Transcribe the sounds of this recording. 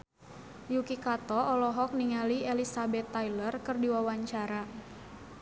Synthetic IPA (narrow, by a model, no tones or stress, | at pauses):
jukikat̪ɔʔɔlɔɦɔk̚niŋaliɛlisabɛt̪ːajlərkɨrdiwawaɲt͡ʃaɾa